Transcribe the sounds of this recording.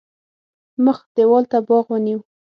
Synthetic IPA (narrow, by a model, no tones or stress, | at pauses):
məxd̪̥ewɑlt̪abɑɣwəniw